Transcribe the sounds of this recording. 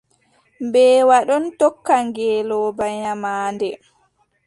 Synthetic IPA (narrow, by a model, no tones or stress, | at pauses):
mbɛːwaɗɔntɔkːaŋɡɛːlɔːbaɲamaːndɛ